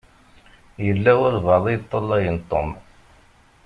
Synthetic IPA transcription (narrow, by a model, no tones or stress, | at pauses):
jəlːæwʊɾvɑðˤijt̪ˤːəlːɑjənt̪ˤːo̰m